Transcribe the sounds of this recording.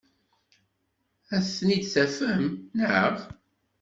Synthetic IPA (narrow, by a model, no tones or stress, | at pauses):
æsnid̪θæfəmnəʕəʁ